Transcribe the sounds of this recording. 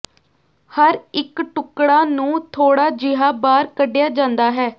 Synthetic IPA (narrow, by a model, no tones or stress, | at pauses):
həɾɪkʈʊkɽaːnũːt̪ʰoːɽaːd͡ʒɪɦaːbaːɾkəɖɪjaːd͡ʒãːnd̪aːɦɛː